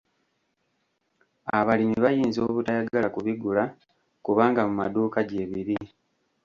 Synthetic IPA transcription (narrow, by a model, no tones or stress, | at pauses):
aβalimiβajiːnzo̞ːβutajaɡalakuβiɡula | kuβaːŋɡamumaduːkaɟe̞ːβiɾi